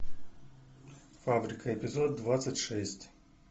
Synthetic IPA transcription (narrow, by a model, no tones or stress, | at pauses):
fabɾʲikəepʲizod̪ːvat̪sətʲʂɛsʲtʲ